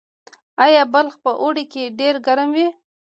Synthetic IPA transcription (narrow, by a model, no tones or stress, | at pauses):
ajabalxpəʔoɽekeɖeɾɡaɾamwi